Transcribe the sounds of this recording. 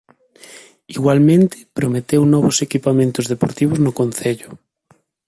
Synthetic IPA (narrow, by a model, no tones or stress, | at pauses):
iɣwalmẽnt̪ɪ̥pɾomet̪ewnɔβosekipamẽnt̪ʊzðepoɾt̪iβ̞oznʊkon̟θeʎʊ